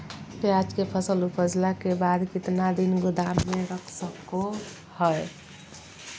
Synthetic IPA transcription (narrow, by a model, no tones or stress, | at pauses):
pjad͡ʒkepʰəsəlupʰəd͡ʒlakebad̪kit̪nad̪inɡud̪amːeɾəkʰsəkːo | həj